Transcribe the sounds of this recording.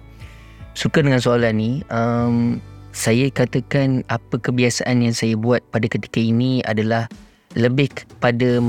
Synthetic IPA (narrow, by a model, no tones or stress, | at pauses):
sukadəŋãnsoalaniəmsajakat̪əkanapəkəbiasaʔanjaŋsajabuat̪̚padakət̪i̥kainĩa̰dalah | ləbɪhkəpada